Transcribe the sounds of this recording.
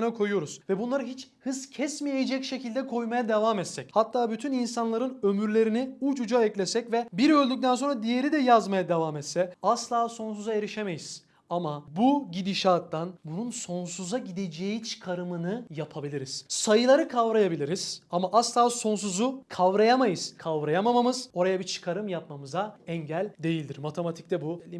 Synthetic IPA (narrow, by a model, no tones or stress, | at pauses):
nakʰo̞jujo̞ɾuz̥vɛbunlˠaɾɯɦit͡ʃhɯzcʰɛsmijeed͡ʒɛcʃe̞cʰilʲd̪ɛkʰo̞jmajad̪e̞vaːmɛt̪sɛchat̪ʰːaːbyt̪ʰyninsanlˠaɾɯnø̞myɾlʲe̞ɾiniut͡ʃud͡ʒaɛclʲe̞sɛcvɛbiɾø̞lʲd̪yc̚t̪ʰænso̞nɾad̪ije̞ɾid̪ɛjazmajad̪e̞vaːmɛt̪sɛaslˠaːso̞ns̬uzae̞ɾiʃeme̞jiz̥ | amabuɟid̪iʃaːt̪ːanbununso̞nsuzaɟid̪ed͡ʒejit͡ʃʰɯ̥kʰaɾɯmɯnɯjapʰabilʲiɾiz̥sajɯlˠaɾɯkʰavɾajabilʲiɾiz̥amaʔaslˠaːso̞ns̬uzukʰavɾajamajɯz̥kʰavɾajamamamɯz̥o̞ɾajabit͡ʃʰɯ̥kʰaɾɯmjap̚mamɯzaɛɲɟælʲd̪e̞jilʲd̪iɾmat̪ʰe̞mat̪ʰi̥c̚t̪ɛbu